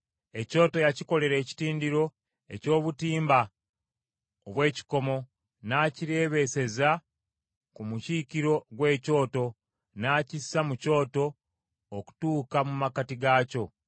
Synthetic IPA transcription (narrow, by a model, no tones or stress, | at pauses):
e̞co̞ːto̞jaciko̞le̞ɾe̞ːci̥tiːndiɾo̞ | e̞̰co̞ːβutiːmba | oβwe̞ːci̥ko̞mo̞ | naːciɾe̞ːβe̞se̞za | kumucikiɾo̞ɡwe̞ːco̞ːto̞ | naːcisːamuco̞ːto̞ː | ku̥tuːkamumakatiɡaːco̞